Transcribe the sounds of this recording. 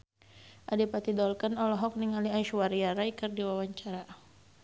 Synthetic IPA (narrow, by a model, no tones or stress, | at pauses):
ʔadipat̪idɔlkanɔlɔɦɔk̚niŋaliaiʃwaɾiaɾaikɨrdiwawaɲt͡ʃaɾa